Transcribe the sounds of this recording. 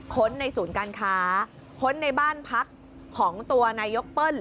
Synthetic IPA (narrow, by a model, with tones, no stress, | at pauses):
kʰo˦˥nːa˧jsuː˩˦nkaː˧nkʰaː˦˥˦ | kʰo˦˥nːa˧jbaː˥˩npʰa˦˥kʰː | ɔː˩˦ŋt̪u˧ɐnaː˧jːo˦˥k̚pɤː˥˩n